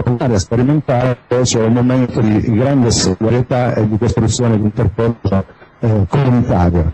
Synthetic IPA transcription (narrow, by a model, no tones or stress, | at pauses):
pnaːɾjaspeɾiment̪aːɾepɔjt͡ʃɛumːoment̪od̪iɡɾand̪esolid̪aɾjet̪aed̪ːikost̪ɾut̪sːjoːned̪unt̪erpɔokomunit̪aːɾja